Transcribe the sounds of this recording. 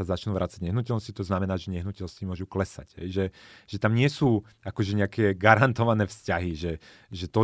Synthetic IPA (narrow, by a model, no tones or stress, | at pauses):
azat͡ʃnuːʋɾaːt͡saɟɲɛɦnucɛlnɔscit̪ɔznamɛnaːʒɛɲɛɦnucɛlscimʊɔʒuklɛsa̰ɟɦɛ̰jʒɛʒ̥ɛt̪amɲɪɛsuː | akɔʒɛɲɛakɛːɡaɾant̪ɔʋanɛːfscaɦiʒɛ | ʒɛt̪ɔ